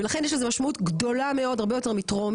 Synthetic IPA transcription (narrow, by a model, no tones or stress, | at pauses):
elaχenjeʃlezemaʃmautɡdo̞lame̞o̞d̪aʁbejote̞ʁmitʁom